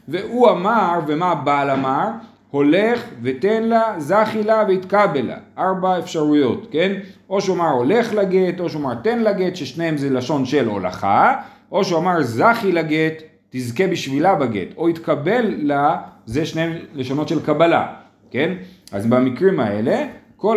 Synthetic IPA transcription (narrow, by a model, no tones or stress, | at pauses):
veʔuamaʁvemabalamaʁ | ho̞le̞χve̞t̪e̞nlazaχilaveit̪kabela̰ʔaʁbaefʃaʁujo̞t̪ke̞nʔo̞ʃuamaʁo̞le̞χlaɡet̪o̞ʃeuamaʁt̪e̞nlaɡet̪ʃeʃnehemzelaʃo̞nʃelo̞̰la̰χa | ʔo̞ʃuamaʁzaχilaɡet̪ː | izke̞biʃvilabaɡḛt̪o̞it̪kabe̞lːazeʃneemle̞ʃano̞t̪ʃe̞lkabala̰ | ke̞na̰zbamikʁimae̞le̞ | ko